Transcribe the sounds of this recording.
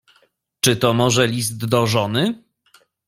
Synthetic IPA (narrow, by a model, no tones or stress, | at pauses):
t͡ʂɘt̪ɔmɔʐɛlʲist̪d̪ɔʐɔnɘ